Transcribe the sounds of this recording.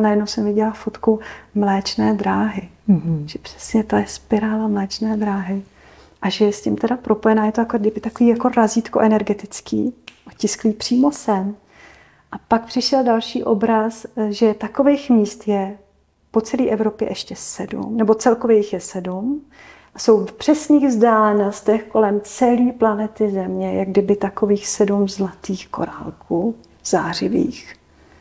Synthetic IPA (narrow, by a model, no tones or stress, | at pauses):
najɛdnowsɛmvɪɟɛlafot̪kumlɛːt͡ʃnɛːdɾaːɦɪ | ʒ̥ɛpr̥ɛ̥sɲɛt̪ojɛspɪɾaːlamlɛːt͡ʃnɛːd̪ɾaːɦɪ | ʔaʒɛjɛscɪmt̪ɛdapɾo̞po̞jɛnaːjɛt̪ojakodɪbɪt̪akoviːjako̞ɾaziːt̪ko̞ʔɛnɛɾɡɛt̪ɪt͡skḭːʔocɪskliːpr̝̥iːmo̞sɛm | ʔapak̚pr̝̥ɪʃɛldalʃḭːʔo̞bɾasʒɛt̪ako̞vejxmiːst̪jɛ | po̞t͡sɛliːʔɛvɾo̞pjɛ̰ʔɛʃcɛsɛdṵmnɛbo̞t͡sɛlkovjɛjɪxjɛsɛdum | ʔaso̞wfpr̝̥ɛsniːɣvzdaːlɛnost̪ɛxko̞lɛmt͡sɛliːplanɛt̪ɪzɛmɲɛjaɡdɪbɪt̪akoviːxsɛdumzlat̪iːxko̞̰ɾa̰lkʰuː | z̥aːr̝ɪvḭːx